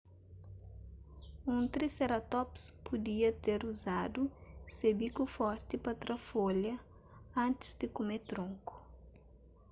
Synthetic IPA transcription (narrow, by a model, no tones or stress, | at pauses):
ũt̪ɾiseɾɐt̪ɔpspʰud̪iɐt̪eɾuzad̪usebikufɔɾt̪ɪpɐt̪ɾɐfoljɐ | ɐ̃nt̪ɪ̥zd̪ɪkomet̪ɾõŋku̥